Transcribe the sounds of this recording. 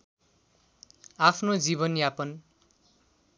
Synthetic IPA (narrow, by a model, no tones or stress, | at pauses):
apʰnod͡zibʌnjapʌn